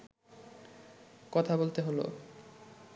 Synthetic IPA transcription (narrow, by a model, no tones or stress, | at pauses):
kɔt̪ʰabolt̪eɦolo̰